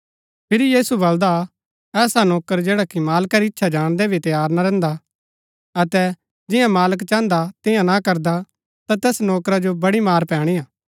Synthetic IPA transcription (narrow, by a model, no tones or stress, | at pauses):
pʰɪɾijiːsubɐld̪a | ɛːsanoːkəɾd͡ʒeːɽakimaːlkaɾiɪtːʃʰad͡ʒaːɽ̃d̪ɛbʱit̪ɐjaːɾnaɾɛ̃ːnd̪a | ɐt̪ɛ | d͡ʒɪjãmaːləkt͡ʃãːnd̪at̪ɪ̃jãnakɐɾd̪a | t̪at̪ɛːsnoːkɾad͡ʒobɐɽimaːɾpɛ̃ːɽ̃ijaː